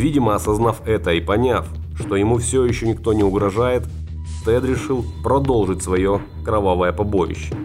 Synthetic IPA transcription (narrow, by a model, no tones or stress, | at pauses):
vʲidʲɪməɐsɐznafɛt̪əipɐnʲaf | ʂt̪o̞jɪmufsʲojɪɕːonʲɪkt̪o̞nʲɪʊɡɾɐʐajɪt̪ | st̪ɛd̪ɾʲɪʂɨlˠpɾɐd̪o̞lˠʐɨtʲsvɐjo̞ | kɾɐvavəjəpɐbo̞jɪ̰ɕːɪ